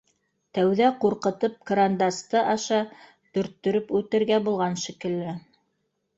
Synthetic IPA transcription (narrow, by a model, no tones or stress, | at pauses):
t̪æwðæquɾqɤ̆t̪ɤp̚kɾand̪ast̪ɤʔɑʃɑ | t̪ɵ̆ɾt̪ːɵ̆ɾɵpʉt̪ɘ̆ɾɡæbulˠʁɑnʃɘ̆kɘ̆lːɘ